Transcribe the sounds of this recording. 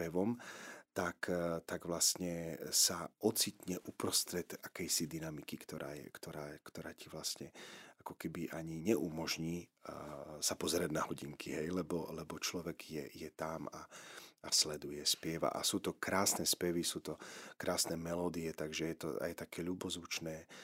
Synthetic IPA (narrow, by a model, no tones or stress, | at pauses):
pɛʋɔmt̪akt̪aɡʋlasɲɛsaʔɔt͡sit̪ɲɛʔupɾɔst̪ɾɛd̪akɛjsid̪inamikikt̪ɔɾa̰ːjɛ̰kt̪ɔɾaːkt̪ɔɾaːciʋlastɲɛakɔkɛbiʔaɲiɲɛʔumɔʒɲiː | sapɔzɛɾaɟnaɦɔɟiŋkʰiɦɛjlɛbɔlɛbɔt͡ʃlɔʋɛɡjɛ̰jɛt̪amaaslɛd̪ujɛspɪɛʋa̰ʔa̰suːt̪ɔkɾaːsnɛspɛʋisuːt̪ɔkɾaːsnɛːmɛlɔːd̪iɛt̪aɡʒɛjɛt̪ɔ̰a̰jt̪akɛːʎubɔzut͡ʃnɛː